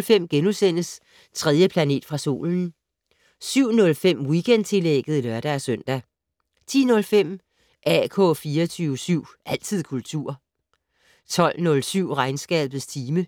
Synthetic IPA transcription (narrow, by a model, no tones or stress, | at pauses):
lfem̰ɡ̥enusen̰əs | t͡sʰʁɛðˠjəpʰlæne̝̰ːd̥fʁɑ̈so̝̰ːln̩ | syʊ̰nɔ̽lfem̰wiɡ̥end̥t͡sʰe̝leɡ̥ð̩ˠilɶɐɾ̥æːsœn̰d̥æ | t͡sʰḭːnɔ̽lfem̰ | ʔækʰɔ̽fiːɐt͡sʰyːʊəsyʊ̰ʔæl̰t͡sʰið̞̰ˠkʰult͡sʰṵɐ̰ | t͡sʰɒ̽l̰nɔ̽lsyʊ̰ʁɑ̈ɪnsɡ̥ɛ̰ːb̥ð̩ˠst͡sʰiːmə